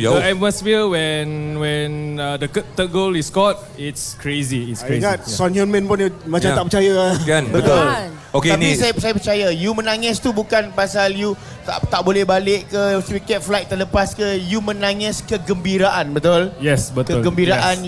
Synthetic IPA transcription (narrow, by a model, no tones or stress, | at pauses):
ɛmasfiwɛnwɛ̃nadəkt̪ət̚ɡoliskɔt̚ | itskɹeziːtsŋat̪̚sɔnənmɛ̃npunmajt͡ʃamaʔpət͡ʃajaanbət̪ʊl | okeanisajapət͡ʃajapət͡ʃajajumənaŋɪst̪ubukanpasalju | a̰t̪aʔbolɛhbaleʔkəspikɛt̪̚flaj̚t̪ərləpaskəjumə̃naŋɪskəɡəmbiɾaʔanbət̪ʊljɛsbət̪kəɡəmbiɾaʔan